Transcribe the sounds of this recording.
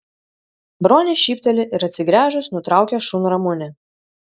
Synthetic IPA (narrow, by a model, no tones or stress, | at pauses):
bɾoːnʲɪʃʲiːpʲt̪ʲɛlʲɪʔɪɾɐt̪ʲsʲɪɡɾʲæːʒʊsnʊt̪ɾɑˑʊkʲɛʃʊnɾɐmʊnʲɛ